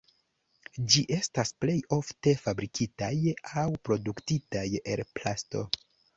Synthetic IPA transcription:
d͡ʒiʔe̞stasple̞jo̞fte̞fabɾikʰitajawpɾo̞duktitaje̞̰lplasto̞̰

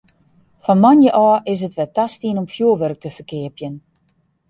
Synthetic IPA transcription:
fɔnmanjəʔɔːʔɪs̬ətʋɛtastiənɔmfjuəʋørək̚tʰəfərkɪəpjən

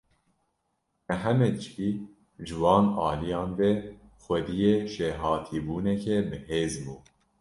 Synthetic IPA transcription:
ɛɦɛmɛd̪ɨʃkiː | ʒɨwɑːnɑːlijɑːnvɛ | xʷwɛd̪ijeːʃeːɦɑːt̪ʰiːbuːnɛkɛbɨheːzbuː

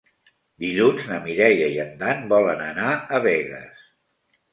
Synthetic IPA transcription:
d̪iʎunznəmiɾɛʎəiənd̪anbɔlənənaəβɛɣə̰s

